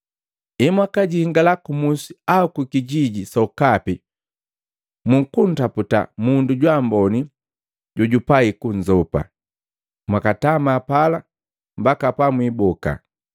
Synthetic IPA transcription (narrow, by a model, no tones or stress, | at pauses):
imwakaɟiŋɡalakumusiaukukiɟiɟisɔukapi | muŋkun̩taputa̰munduɟwambɔni | ɟuɟupaikuɲd͡ʒɔpa̰ | mwakatamaːpala | mbakapamwibɔka̰